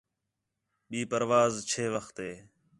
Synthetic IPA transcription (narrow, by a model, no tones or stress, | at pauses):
ɓiːpəɾʋaːzt͡ʃʰeːʋəxt̪ɦeː